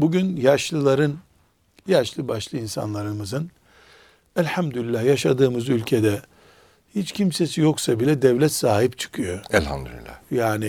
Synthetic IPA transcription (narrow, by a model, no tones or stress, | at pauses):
buɟynjaʃlˠɯlˠaɾɯn | jaʃlˠɯbaʃlˠɯinsa̰nlˠaɾɯmɯzɯn | ɛlʲhamd̪ylilːahjaʃad̪ɯːmɯzylʲcʰed̪ɛ | hit͡ʃcʰimse̞sijo̞ksabilʲɛd̪ɛvlʲɛt̪saːɦipt͡ʃʰɯ̥kʰɯjo̞ɛlha̰md̪y̰lḭlʲːa̰jaːni